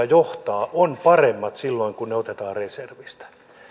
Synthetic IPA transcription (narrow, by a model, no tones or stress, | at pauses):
ɑjoht̪ɑːʔonpɑremːɑt̪silːoiŋkunneot̪et̪ɑːrreserʋist̪æ̥